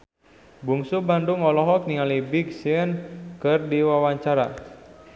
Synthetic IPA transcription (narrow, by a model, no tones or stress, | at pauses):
buŋsubanduŋɔlɔɦɔk̚niŋalibiɡsiənkɨrdiwawaɲt͡ʃaɾa